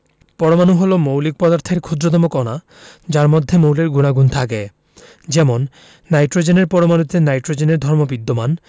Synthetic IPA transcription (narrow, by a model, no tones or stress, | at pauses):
pɔɾomanuɦolomowlik̚pɔd̪aɾt̪ʰeɾkʰod͡ʒɾot̪̬ɔmokɔna | d͡ʑaɾmod̪ʱːemowleɾɡunaɡunt̪ʰake | d͡ʑɛmonː | ajʈɾod͡ʑeneɾpɔɾomanut̪enajʈɾod͡ʑeneɾd̪ʱɔɾmobid̪ːoman